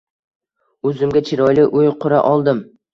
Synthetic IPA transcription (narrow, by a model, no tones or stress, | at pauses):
ɵzɪmɡʲat͡ʃʰɪɾɒjlɪʔʊjqʰʊɾa̰ʔɒlˠd̪ɪm